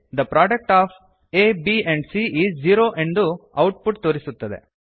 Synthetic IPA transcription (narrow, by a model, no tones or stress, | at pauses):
d̪ɐpɾaːɖɐk̚ʈaːfʰ | eːbieɳɖsiʔiːd͡ʒd͡ʒiːɾoːʔe̞nd̪uɐwʈpuʈt̪oːɾisut̪ːɐd̪ḛ